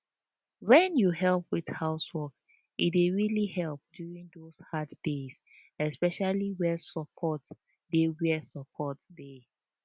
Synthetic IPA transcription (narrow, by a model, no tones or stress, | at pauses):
wɛ̃njuɦɛlˠpwið̥haʊswɔk | ʔitweɹilihɛlp̚djuɹĩŋdoshaddes | ɛspɛʃaliwɛsɔpʰɔt | dewɛsɔpʰɔtde